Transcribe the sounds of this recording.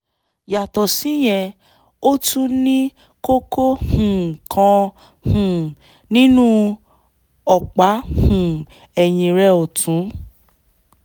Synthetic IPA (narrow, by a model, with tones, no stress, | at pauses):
ja˨tɔ˨si˨˦j̃ɛ̃˧ | o˦tʰũ˦nĩ˦ | ko˦ko˦hũ˨kʰã˧ | hũ˨ | nĩ˦nũ˦ | ɔ˨k͡pa˨˦hũ˨ | ɛ˨j̃ĩ˧ɾɛ˧o˨tʰũ˨˦